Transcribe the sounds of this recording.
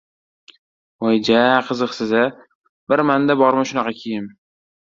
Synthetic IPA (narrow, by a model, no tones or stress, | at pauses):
ojd͡ʒaqʰɨzɨqsɪza | bɪɾmand̪abɒɾmaʃʊnɑqʰɑkʲʰejɪm